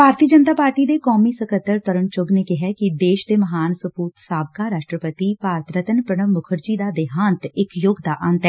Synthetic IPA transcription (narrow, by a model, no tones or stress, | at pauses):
bʱaːɾt̪iːəd͡ʒənt̪aːpaːɾʈiːd̪eːkɔːmiːsəkʰət̪ːəɾt̪əɾəɳt͡ʃʊɡneːkɪɦɛːkid̪eːʃd̪eːməɦaːnsəpuːt̪saːbkaːɾaːʃʈɾəpət̪iːpaːɾət̪ɾət̪ənpɾəɳ̃əmmːʊkʰəɾd͡ʒiːd̪aːd̪ɪɦaːnt̪ɪkjʊɡd̪aːʔənt̪ɛː